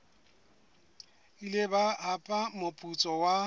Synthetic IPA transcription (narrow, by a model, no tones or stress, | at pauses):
ilɪbaapʼamopʼut͡sʼɔwa